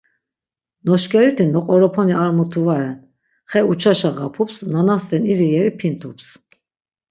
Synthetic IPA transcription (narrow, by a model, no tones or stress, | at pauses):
nɔʃkʰʼɛɾit̪ʰinɔqʼɔɾɔpʰɔniaɾmut̪ʰuvaɾɛn | χɛut͡ʃʰaʃaʁapʰupsnanast̪ɛniɾijɛɾipʰint̪ʰʼups